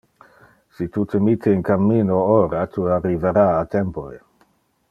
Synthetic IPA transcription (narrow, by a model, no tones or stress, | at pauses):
sit̪ut̪emit̪ʰːeinkamːiːnooɾat̪ʰuarːiveɾaːt̪empoe